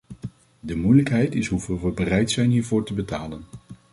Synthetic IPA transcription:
dəmujləkɦɛjtɪsɦuvɪlˠʋəbərɛjtsɛjnɦiːɹvʊːɹtəbətaːlən

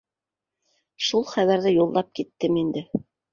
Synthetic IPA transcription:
ʃulˠχæβæɾðɘjulˠːɑp̚kit̪ːɘmind̪ɘ

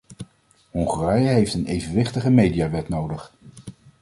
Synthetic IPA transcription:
hɔŋχərɛjəɦejftənejvənʋɪχtəχəmejdijaːʋɛtnowdəχ

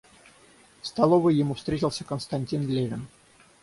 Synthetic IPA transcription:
st̪alˠovəjɪmufst̪ɾʲetʲɪlˠsʲəkənst̪ɐnʲtʲinlʲeɾʲɪn

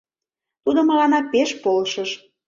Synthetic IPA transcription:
t̪ud̪ŏmə̆lɑnɑpeʃpolʃəʃ

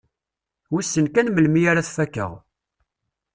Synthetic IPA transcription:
wisːənkænməlmijaɾaθfækːə̰ʁ

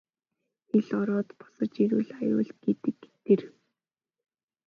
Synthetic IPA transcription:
xeɮɔɾɔːt̪pɔ̥sɞ̆t͡ɕiɾuːɮajʊ̰ːɮt̪̚ɡ̥et̪ɘ̆kːt̪ĕr

